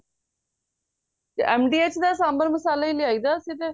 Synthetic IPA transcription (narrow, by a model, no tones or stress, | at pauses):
t̪ḛːʔɛːmɖiːeːt͡ʃʰd̪aːsãːmbəɾməsaːlaːiːleaːiːd̪aːəsĩːt̪eː